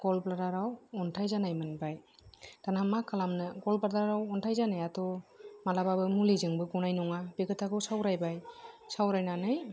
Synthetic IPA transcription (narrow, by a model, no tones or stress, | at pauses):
ɡ̥ɔlbladaɾawɔntʰajzanajmɯnbajtanamakʰalamnɯɡɔlbadaɾawɔntʰajzanajatɔmalababɯmulizɯŋbɯɡɔnajnɔŋabeɡɯtʰaɡɯwsawɾajbajsawɾajnanɯj